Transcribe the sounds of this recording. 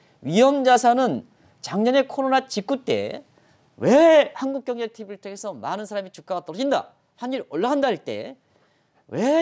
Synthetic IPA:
ɥiɦʌmd͡ʑasʰanɯn | t͡ɕaŋɲʌne̞kʰoɾonat͡ɕik͈ut͈e̞̰ | wehanɡuk̚k͈jʌŋɲetʰibɯɭtʰeɡesʰʌmanɯnsʰaɾamit͡ɕuk͈aɡat͈ʌɾʌd͡ʑinda̰ | haniɾʌɭːaɦandaiɭt͈e̞̰ | we

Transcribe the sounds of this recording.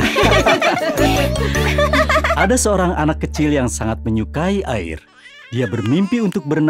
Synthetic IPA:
ʔadasəoɾaŋanakːət͡ʃɪljaŋsaŋat̪̚məɲukaiʔa̰ɪ̰r | diabərmimpiunt̪ʊk̚bərn

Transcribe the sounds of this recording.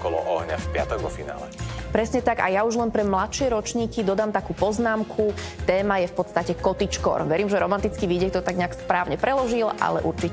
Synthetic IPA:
ɔkɔlɔ̰ʔɔɦɲa̰fpɪa̰t̪ɔɡʋɔ̰fina̰ːlɛ̰pɾɛsɲɛt̪aɡa̰jauʒlɛnpɾɛmlat̪ʃɪɛɾɔt͡ʃɲiːkid̪ɔd̪aːmt̪akuːpɔznaːmkʰut̪ɛːmajɛfpɔt̪st̪acɛkɔt̪it͡ʃkɔ̰ɾʋɛɾiːmʒɛɾɔmant̪it͡skiʋiɟɛk̚t̪ɔt̪aɡɲɛakspɾaːʊɲɛpɾɛlɔʒilʔa̰lɛ̰ʔuɾt͡ʃi

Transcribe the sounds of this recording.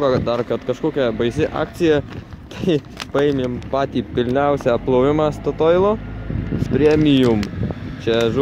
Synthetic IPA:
ʋɐd̪ɐrkɐt̪kɐʃkoːkʲɛbɐɪsʲɪʔɑ̰ːk̪t͡s̪ʲɪjɛt̪ɐɪ | pɐeːmʲeːmpɑːt̪ʲiːpʲɪlʲnʲɛʊsʲæɐp̚plˠɐʊʋʲɪmɑːst̪ot̪oːɪlˠoːspʲɾʲɛmʲɪjʊmt͡ʃʲɛʒ

